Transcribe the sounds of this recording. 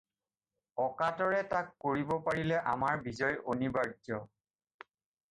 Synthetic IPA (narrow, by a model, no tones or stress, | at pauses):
ɔkatɔɹɛtakːoɹibɔpaɹilɛʔa̰maɹbizɔjonibaɹd͡ʒɔ